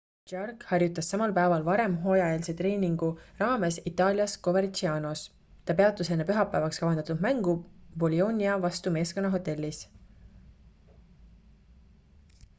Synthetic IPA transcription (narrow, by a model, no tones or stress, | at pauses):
t͡ʃɑrkhɑrjut̪ːˑɑsːɑmɑlpæevɑlvɑɾe̞mɦo̞ːjɑeːlset̪re̞ːniŋɡ̥urɑːme̞sit̪ːɑːljɑsko̞vert͡ʃiɑːno̞s | t̪ɑpe̞ɑt̪ːˑuse̞nːepyɦɑpːˑæevɑkskɑvɑnd̪̥ɑt̪ud̪̥mæŋɡ̥ubo̞lio̞ːnʲiɑvɑst̪ume̞ːsko̞nːɑɦo̞t̪ːe̞lʲːis